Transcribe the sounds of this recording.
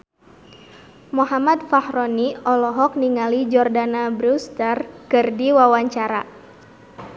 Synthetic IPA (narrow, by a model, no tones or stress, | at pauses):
mɔɦamat̪̚fahɾɔniɔlɔɦɔk̚niŋalid͡ʒɔrdanabɾust̪ərkɨrdiwawaɲt͡ʃaɾa̰